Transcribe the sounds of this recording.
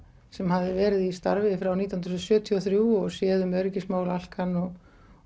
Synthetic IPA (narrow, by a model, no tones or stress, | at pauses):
sɛmhavðɪvɛːɾɪðist̪a̰ɾvɪfɾawniːt̪awnɾsœːt̪ʰiɔθɾjuːɔɣsjɛːðʏmœɥɾɪcɪsmaːwlal̥kanːɔɣ